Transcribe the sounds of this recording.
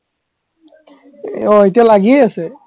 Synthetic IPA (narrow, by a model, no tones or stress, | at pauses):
ɔetialaɡiɛasɛ